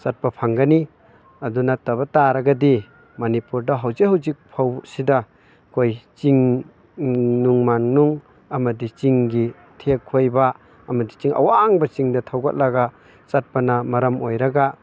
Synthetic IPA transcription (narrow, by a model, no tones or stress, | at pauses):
sat̚pɐpʰaŋɡani | ɐdunatɐβɐtaɾɐɡadi | mɐnipuɾdɐɦawzehawzik̚pʰawsida | kʰojt͡ʃiŋ | nuŋmannuŋ | ɐmɐdit͡ʃiŋɡi | tʰekʰːojbaː | mɐdit͡ʃiŋɐ̰waŋbɐt͡ʃiŋdɐtʰawɡat̚laɡa | t͡ʃat̚pɐnɐmɐɾɐmojɾɐɡa